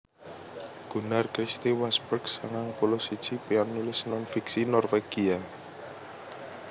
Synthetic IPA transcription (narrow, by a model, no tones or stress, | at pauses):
ɡ̥ṳnarkɾist̪iwasbərɡsaŋaŋpulɔsid̥ʒ̥ipeɔnːulɪsnɔnfiksinɔrfeɡ̥ia